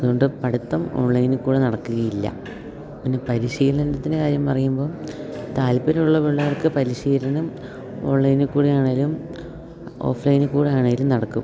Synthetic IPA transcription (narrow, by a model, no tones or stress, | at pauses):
ɐðuɣo̞ɳɖɨpɐɽut̪ːɐmo̞̰ːɳlɐjnɨkuːɽenɐɽɐkːuɣɐjilːɐ̰ | pinːe̞pɐɾiɕiːlɐnɐndɐt̪ːindekaːɾjɐmpɐrɐjumbo̞ːt̪aːlpɐɾuɭːɐʋeɭːɐʋɐrkɨpɐɾiɕiːlɐnɐm | o̞ːɳːɐjinɨkːuːɽijaːɳaːlum | o̞̰ːflɐjinɨkːuːɽiaːɳeŋɡilumnɐɽɐkːum